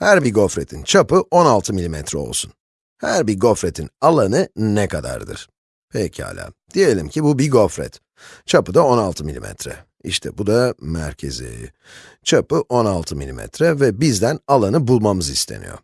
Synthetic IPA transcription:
hæɾbiɾɡo̞fɾe̞t̪ʰint͡ʃʰapɯʔo̞nalˠt̪ʰɯmilʲimɛt̪ʰɾɛo̰lˠsun | hæɾbiɾɡo̞fɾe̞t̪ʰinalˠanɯnɛkad̪a̰ɾd̪ɯ̰ɾ̥ | pʰɛcʰiha̰ːlʲa̰ːd̪̥ije̞lʲimcʰibubiɡo̞fɾɛ̰t̪ | t͡ʃʰapɯd̪ao̞nalˠt̪ʰɯmilʲimɛ̰t̪ʰɾɛ̰ | ḭʃt̪ʰɛ̰bud̪amæ̰ɾcʰe̞̰zḭ | t͡ʃʰapɯʔo̞nalˠt̪ʰɯmilʲimʔɛ̰t̪ʰɾɛvɛbizd̪ænalˠanɯbulˠmamɯzist̪ʰe̞̰nḭjo̰

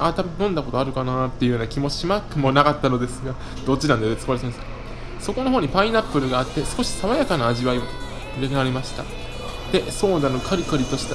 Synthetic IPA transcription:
at̪abɯ̟nnõ̞nd̪ako̞t̪o̞aɾɯ̟kanat̪ːe̞ji̟joːnakʲimo̞imakɯ̟mo̞nakat̪ːano̞d̪e̞sɨɡa | d̪̥o̞t̚t͡ɕːinãnd̪eet͡sɨbaɾesens | so̞ko̞noɦo̞ːɲ̟ipaĩnapːɯ̟ɾɯ̟ɡaːt̪ːe̞sɨ̥ko̞ɕi̥saβajakanaːʑiβaio | ɯɾekeaɾe̞maɕi̥t̪a̰ | d̪̥e̞so̞ːd̪ano̞kʰaɾɯ̟kɯɾʲit̪o̞ɕi̥t̪e

